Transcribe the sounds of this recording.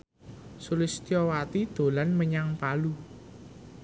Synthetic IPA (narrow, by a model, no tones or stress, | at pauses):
sulɪst̪iɔwat̪id̪̥o̤lanməɲaŋpalu